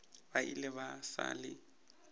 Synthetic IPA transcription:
baʔḭlɪβasa̰lɪ

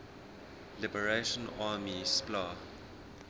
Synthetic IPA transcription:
lɪbəɹeʃə̃naːmisplaː

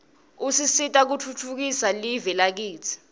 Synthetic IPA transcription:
usisitʼak̬ut͡fʰut͡fʰuk̬isalivɛlak̬iːt͡sʰi̥

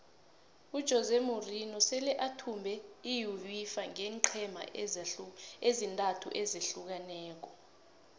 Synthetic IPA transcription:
ud̥ʒ̥ʱɔzemurinɔsɛlɛʔatʰumbʱɛijuwifaŋɛŋǃʰɛma̰ | ezintʼatʰṵʔɛzeɬuk̬anɛːk̬ɔ

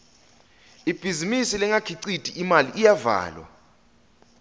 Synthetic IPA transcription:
ib̥ʱizimisilɛŋakʰiǀitʼʰiʔimaliʔːjava̰ːlwa̰

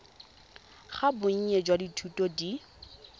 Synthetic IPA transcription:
χabʊɲ̩ɲed͡ʒwaditʰutɔdi

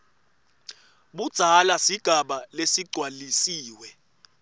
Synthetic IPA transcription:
ɓud̥ʱalasiɡ̥ʱaɓalesiɡ͡ǀʱwalisiːwɛ

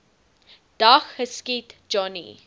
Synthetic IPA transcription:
d̥axhəskitd͡ʒɔnḭ

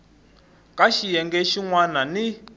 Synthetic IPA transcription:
kʼaʃijɛŋɡɛʃiŋwanani

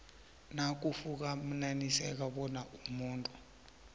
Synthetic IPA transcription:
nak̬ʼufuk̬ʼam̩nanisɛk̬aɓɔnaʔumuːntʼu

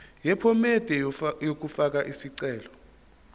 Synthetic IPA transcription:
jɛpʰɔmɛd̥ʱɛjok̬ufak̬aʔisiǀɛːlɔ

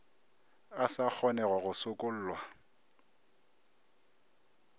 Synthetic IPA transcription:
asak͡xʰɔnɛɣwɔɣʊsʊkʼʊl̩ːlwa

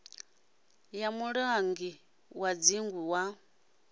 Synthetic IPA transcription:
jamuɺaŋɡi | wad͡ziŋɡuwa

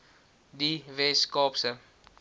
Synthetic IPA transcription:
diveskɔpsə

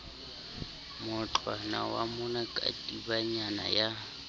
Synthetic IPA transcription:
mʊt͡ɬʼwanawa̰mʊnakʼa̰tʼibaɲana̰ja

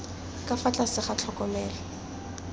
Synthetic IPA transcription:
kʼafat͡ɬʼasɪχat͡ɬʰɔkɔmɛːlɔ

